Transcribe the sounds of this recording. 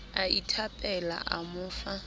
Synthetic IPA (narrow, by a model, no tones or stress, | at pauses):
aitʰapʼɛla̰ʔa̰mʊːfa